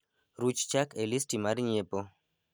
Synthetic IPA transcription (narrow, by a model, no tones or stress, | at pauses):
ɾut͡ʃt͡ʃakelistimaɾɲepo